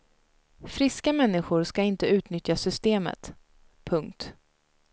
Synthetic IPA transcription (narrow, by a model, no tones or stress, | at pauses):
fɾɪskamɛnːɪɧʊɾskaɪnt̪əʉ̟ːt̪nʏt̪jasʏst̪eːmə̰t̪ | pʰɵŋk̚t̪